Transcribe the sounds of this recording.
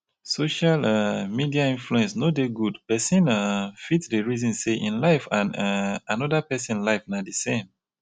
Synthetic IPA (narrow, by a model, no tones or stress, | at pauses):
soʃalmidiaĩnfluɛ̃nsnodeɡudpɛsĩnafitsdeɹizɔ̃nseʔḭ̃nlaɪfãnanɔdapɛsĩnlaɪfnadesẽm